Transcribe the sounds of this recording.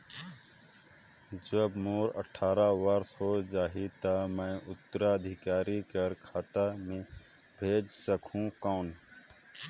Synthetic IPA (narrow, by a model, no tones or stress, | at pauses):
d͡ʒəbmoːɾə̰ʈʰaːɾaʋəɾsɦoːd͡ʒaːɦit̪amə̃ʔʊt̪ːɾaəd̪ʱɪkaːɾikəɾkʰaːt̪amẽː | bʱeːd͡ʒsəkʰũːkaːn